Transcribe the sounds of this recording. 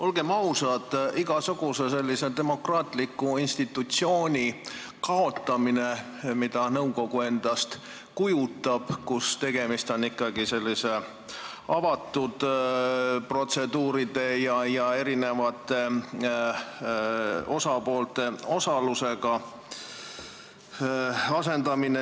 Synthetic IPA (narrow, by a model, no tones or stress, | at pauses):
o̞lɡ̥e̞mɑusɑt̪iɡ̥ɑsuɡ̥use̞se̞lʲːise̞d̪e̞mo̞krɑːt̪ˑlikːˑuinst̪it̪ːˑut̪sio̞ːnʲi | kɑo̞t̪ːˑɑmine̞ | mid̪̥ɑnɤwko̞ɡ̥ue̞nd̪̥ɑst̪ | kujut̪ːˑɑb̥kust̪e̞ɡ̥e̞mist̪o̞nikːɑɡise̞lʲːise̞ | ɑvɑt̪ːˑud̪̥ | pro̞t̪se̞d̪uːɾid̪̥e̞jɑjɑe̞ɾine̞vɑt̪ːˑe̞ | o̞sɑpo̞ːlt̪e̞o̞sɑluse̞ɡ̥ɑ | ɑse̞nd̪̥ɑmine